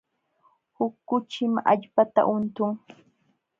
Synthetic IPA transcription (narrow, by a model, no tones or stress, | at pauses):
hʊkːʊt͡ʃɪma̰ʎpat̪a̰ʔʊnt̪ʊŋ